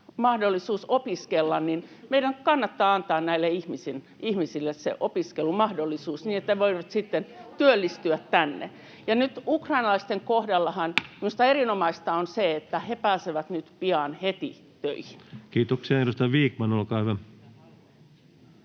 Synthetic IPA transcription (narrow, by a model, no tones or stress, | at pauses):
mɑhdolːisuːsopiskelːɑnninmeidæŋkɑnːɑt̪ːɑːɑnt̪ɑːnnæilːeihmisin | ihmisilːessḛʔopiskelumɑhdolːisuːsniːnet̪ːæʋoiʋɑt̪sit̪ːent̪yølːist̪yæt̪tænːḛ | jɑnyt̪ukrɑinɑlɑist̪eŋkohdɑlːɑhɑnmimust̪ɑerinomɑist̪ɑonseet̪ːæhepæːseʋæt̪nyt̪piɑnhet̪ḭ | t̪ø̰ihinkiːt̪oksiɑenust̪ɑʋiːkmɑnolkɑːhyʋæ